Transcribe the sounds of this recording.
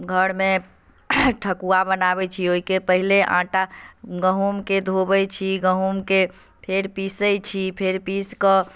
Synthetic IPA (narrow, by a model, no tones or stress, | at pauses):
ɡʱəɽmẽ | ʈʰəkuabənabɛt͡ʃʰioikepəɦileʔã̰ʈaɡəɦumked̪ʱobɛt͡ʃʰiɡəɦumke | pʰeɾpisəjt͡ʃʰipʰeɾpiskə